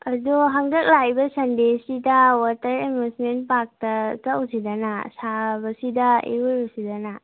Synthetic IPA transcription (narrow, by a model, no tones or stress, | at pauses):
ɐdoɦɐŋdɐk̚lajbɐsɐndesidɐwaɾtɐɾemusmenpak̚tɐtawsidɐnasabɐsidɐḛujosidɐna